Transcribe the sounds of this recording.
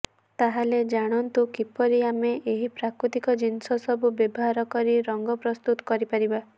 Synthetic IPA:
t̪aɦaled͡ʒaɽ̃ɔnt̪ukipɔɾiameʔeɦipɾakɾut̪ikɔd͡ʒinsɔsɔbubjɔbɔɦaɾɔkɔɾiɾɔŋɡɔpɾɔst̪ut̪ɔ̥kɔɾipaɾiba

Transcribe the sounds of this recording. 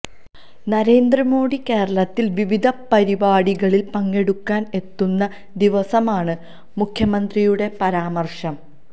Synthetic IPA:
nɐɾe̞ːnd̪rɐmo̞ːɽike̞ːɾɐɭɐt̪ːilʋiʋid̪ʱɐpɐɾibaːɽiɣɐɭilpɐŋːe̞ɽukːaːne̞t̪ːunːɐ | d̪iʋɐsɐmaːɳɨ | mukʰjɐmɐnd̪rijuɽe̞pɐɾaːmɐrʂɐm

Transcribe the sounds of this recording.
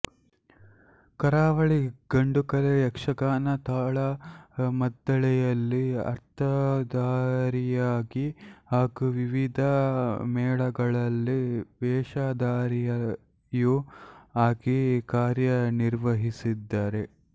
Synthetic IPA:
kɐɾaːʋɐɭiɡ̥ɐɳɖukɐlejɐkʂɐɡaːnɐt̪aːɭɐmɐd̪ːɐɭɛjɐlːiɐ̰ɾt̪ʰɐd̪aːɾijaːɡihaːkuʋiʋid̪ʱɐmɛːɭɐɡɐɭɐlːiʋɛːʂaːd̪aːɾijɐ | juaːɡikaːɾjɐniɾʋɐɦisid̪ːaːɾe̞

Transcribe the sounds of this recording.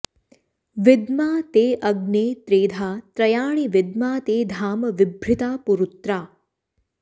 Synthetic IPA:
ʋɪd̪maːt̪eːʔɐɡneːt̪ɾeːd̪ʱaːt̪ɾɐjaːɳ̃iʋɪd̪maːt̪eːd̪ʱaːmɐʋɪbʱɾɪt̪aːpuɾut̪ɾaː

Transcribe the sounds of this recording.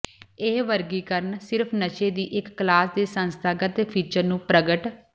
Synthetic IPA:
ɪːʋəɾɡiːkəɾnsɪɾpʰnət͡ʃeːd̪iːʔɪkːlaːsd̪eːsə̃nst̪ʰaːɡət̪epʰiːt͡ʃəɾnũːpɾəɡəʈ

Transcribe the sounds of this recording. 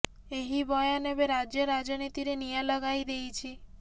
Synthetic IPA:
eɦibɔjanebeɾad͡ʒjəɾad͡ʒɔnit̪iɾenijaləɡajd̪ejt͡ʃʰi

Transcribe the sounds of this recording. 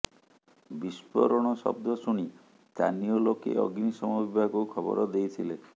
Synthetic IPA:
bispɔ̰ɾɔɽ̃ɔsɔ̰b̚d̪ɔsuɽ̃i | st̪aniɔlokḛʔɔɡnisɔmɔbibʱaɡukʰɔbɔ̰ɾɔd̪ejt̪ʰile

